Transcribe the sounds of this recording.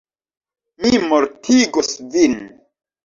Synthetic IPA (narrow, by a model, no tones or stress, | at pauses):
mimoɾtʰiɡosvin